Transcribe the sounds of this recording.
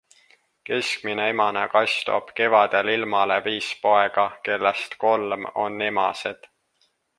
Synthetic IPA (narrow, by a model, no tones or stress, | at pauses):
ke̞skmineemɑnekɑst̪o̰b̥ke̞vɑd̪̥elilmɑle̞viːspo̞e̞ɡ̥ɑke̞lːest̪ko̞lmo̞nːemɑ̰sed̪̥